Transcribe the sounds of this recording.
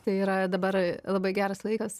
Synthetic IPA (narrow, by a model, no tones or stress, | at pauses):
t̪ɐɪiːɾɐd̪ɐbɐɾlˠɐbɐɪɡʲæːɾɐslˠɐɪkɐs